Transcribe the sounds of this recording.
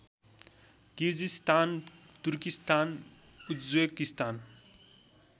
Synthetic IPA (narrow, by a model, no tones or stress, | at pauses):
kiɾd͡ʒist̪aːnt̪uɾkist̪aːnud̪zwekist̪aːn